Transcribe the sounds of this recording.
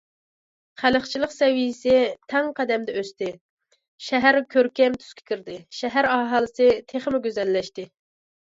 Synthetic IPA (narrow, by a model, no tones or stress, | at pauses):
χæləχt͡ʃʰilˠəqsɛwijsɪt̪ʰɛŋqʰæd̪ɛmd̪ɛøst̪ɪ | ʃɛɦæɾkʲʰøɾkʲɛmt̪ʰy̥skʲʰe̥kʲiɾd̪ɪʃɛɦæɾɑːɦɑlˠɨsɨt̪ʰeχəmɪɡʲøzɛlːɛʃt̪ɪ